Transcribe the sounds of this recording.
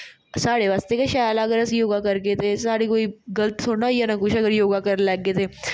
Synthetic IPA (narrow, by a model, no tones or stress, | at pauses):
saːɽeʋaːst̪ekaʃaːjlaɐɡəɾɐsjoːɡakɐɾket̪ʰesaːɽikoːiɡɐlət̪soːnajanakʊt͡ʃʰɐɡəɾjoːɡakɐɾlɛːɡet̪ʰeː